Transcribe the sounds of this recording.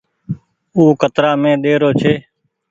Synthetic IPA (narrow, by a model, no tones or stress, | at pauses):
uːkət̪ɾaːmẽːɗ̪eːɾoːt͡ʃʰeː